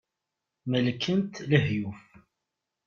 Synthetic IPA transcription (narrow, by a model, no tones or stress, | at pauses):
məlkʰːənt̪ləhjuf